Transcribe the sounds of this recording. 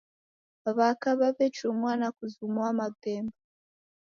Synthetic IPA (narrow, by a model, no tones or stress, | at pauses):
aβakaβaβet͡ʃumwaːnakuzumwamabeːmba